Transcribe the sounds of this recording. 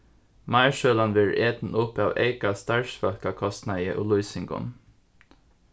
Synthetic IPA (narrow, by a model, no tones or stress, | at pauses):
mɑɪɹʃøːlɑnʋɪɹʔeːt̪n̩ʊpɑːʋḛɪkast̪ɑɹʃfɑlkɑkʰɔst̪nɑəʔuːluʏsɪŋɡʊ̰n